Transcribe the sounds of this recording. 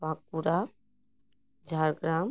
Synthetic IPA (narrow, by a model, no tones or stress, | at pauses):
ʋãkuɾa | d͡ʒʱaɾɡɾaːm